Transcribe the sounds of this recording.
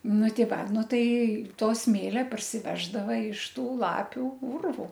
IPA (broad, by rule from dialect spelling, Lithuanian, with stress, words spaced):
ˈnʊ ˈtʲɪ ˈʋɐ ˈnʊ ˈtɐɪ ˈtoː ˈsʲmʲeːlʲɛ pɐrʲsʲɪˈʋʲæːʒdɐʋɐ ɪʃ ˈtuː ˈlˠɑːpʲuː ˈʊrʋʊ